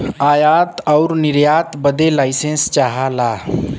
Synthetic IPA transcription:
aːjaːt̪ɔːɾnɪɾjaːt̪bəd̪elaːɪsẽnst͡ʃaːɦalaː

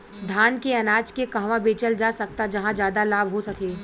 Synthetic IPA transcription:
d̪ʱaːnkeɐnaːd͡ʒkekɐɦʋãbeːt͡ʃəld͡ʒaːsɐk̚t̪ad͡ʒɐɦãd͡ʒjaːd̪alaːbʱɦosɐkeː

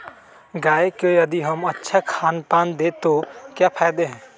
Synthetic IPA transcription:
ɡaːekojɐd̪iɦəmətːʃʰakʰaːnpaːnd̪eːt̪okjaːpʰaːjd̪eɦɛ̃ː

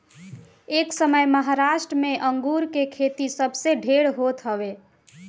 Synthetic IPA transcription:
eksəməjməɦaɾaʃʈɾəmeʔəŋɡuɾkekʰet̪isəbʱseɖʱeɽɦot̪ɦəbe

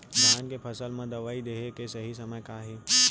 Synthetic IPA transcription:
bankepʰɐsəlmãd̪ɐʋaːid̪eːɦekesɐɦisɐməjkaːɦeː

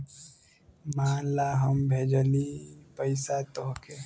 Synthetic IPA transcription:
maːnlaɦəmbʱed͡ʒəlipəɪsat̪oɦke

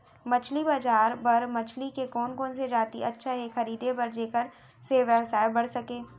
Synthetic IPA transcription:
mɐt͡ʃʰlibaːd͡ʒaːɾbɐɾmɐt͡ʃʰlikekɔːnkɔːnsed͡ʒaːt̪ḭɐtːʃʰaɦɛxɐɾiːd̪ebɐɾd͡ʒeːkəɾ | seʋjəʋsaːebɐɽ̤sɐkẽː

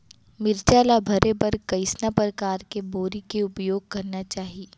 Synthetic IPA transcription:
mɪɾt͡ʃaːlabʱɐɾebɐɾkɐɪsnapɾəkaːɾkeboːɾikeʊpjoːɡ̚kɐɾnat͡ʃaːɦie

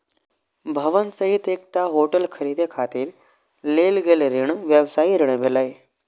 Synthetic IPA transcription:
bʱəʋənsəɦit̪ek̚ʈ̪aɦoʈəlkʰəɾid̪ʱekʰat̪iːɾ | lelɡelɾiɳʋjəʋsaiɾəɳ̃bʱeləj

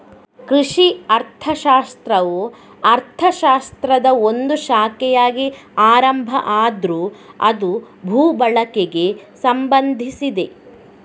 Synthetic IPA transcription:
kɾiʂiɐɾt̪ʰɐʃaːst̪ɾɐʋoː | ɐɾt̪ʰɐʃaːst̪ɾɐd̪ɐond̪uʃaːkɛjaːɡiaːɾɐmbʱɐʔaːd̪ɾuɐ̰d̪u | bʱuːbɐɭɐkeɡe̞sɐmbɐnd̪ʱisid̪e

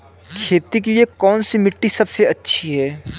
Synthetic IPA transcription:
kʰeːt̪ik̬ijekɔːnsimɪʈːisɐbseɐtːʃʰiɦɛː

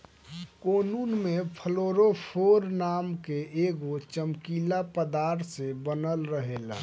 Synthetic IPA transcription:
koːnuːnmẽpʰəloːɾopʰoːɾnaːmkeʔeːɡot͡ʃəmkilapəd̪aːɾt̪sebənəlɾəɦela̰

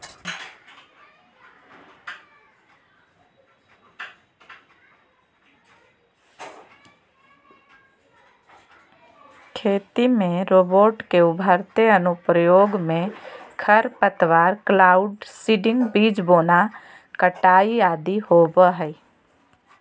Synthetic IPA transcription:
kʰeːt̪imẽɾoːboːʈkeʊbʱəɾt̪eənʊpɾəjoːɡmẽkʰəɾpət̪ʋaːɾklaːʊɖsiːɖɪ̃ŋɡbiːd͡ʒboːna | kəʈaːiaːd̪ihoːbəɦɛi

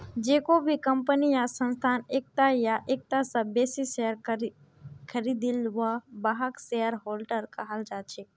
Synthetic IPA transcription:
d͡ʒekobʱikəmpənijasə̃nst̪ʰanek̚t̪ajaʔek̚t̪asabesisejəɾ | kʰəɾid̪ilʋabaɦaksejəɾɦolʈəɾkəɦəld͡ʒat͡ʃʰe

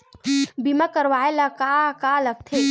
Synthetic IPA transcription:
bimakəɾʋaːelɐkakaːlɐɡ̚t̪ʰe

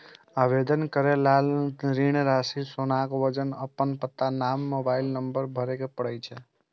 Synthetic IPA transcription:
aʋed̪ənkəɾelalɾiɳ̃ɾasisonakʋəd͡ʒənəpːənpət̪ːanamːobaɪlnəmbəɾbʱəɾekepəɽəjt͡ʃʰɛ

